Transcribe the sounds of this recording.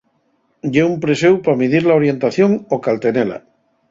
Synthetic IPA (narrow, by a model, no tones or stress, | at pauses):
ʎeumpɾesewpamiðiɾlaoɾje̞nt̪aθjo̞ŋokalt̪e̞nela̰